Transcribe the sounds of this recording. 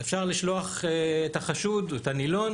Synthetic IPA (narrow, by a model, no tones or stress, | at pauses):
efʃaʁliʃloaχeetaχaʃudetanilon